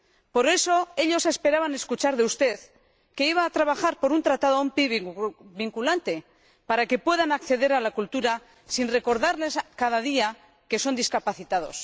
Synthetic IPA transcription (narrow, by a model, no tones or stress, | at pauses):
po̞ɾe̞so̞e̞ʎo̞se̞spe̞ɾaβane̞skut͡ʃaɾðe̞ust̪e̞ð | ke̞iβ̞aːt̪ɾaβaxaɾpo̞ɾunt̪ɾat̪að̞oompiβiŋkulant̪e̞ | paɾake̞pwe̞ðanakθe̞ðe̞ɾalakult̪uɾa | sinre̞ko̞ɾðaɾle̞skaðaðia | ke̞so̞nd̪iskapaθit̪að̞o̞̰s